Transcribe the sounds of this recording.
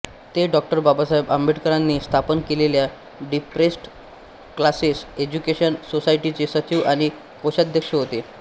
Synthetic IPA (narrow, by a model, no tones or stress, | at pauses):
t̪eɖɔk̚ʈəɾbabasaɦebəmbeʈkəɾanːiːst̪ʰapənkelelja | ɖipɾesʈ | klasised͡ʑukeɕənsosaiʈit͡sesət͡ɕiʋaɽ̃i | koɕad̪ʱjəkʂəɦot̪e